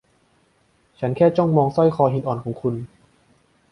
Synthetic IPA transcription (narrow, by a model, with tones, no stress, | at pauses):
t͡ɕʰa˦˥nkʰɛː˥˩t͡ɕɔ˥˩ŋmɔː˧ŋsɔ˥˩jxʰɔː˧ɦi˧˩nʔɔː˨˩nkʰɔː˩˦ŋkʰu˧n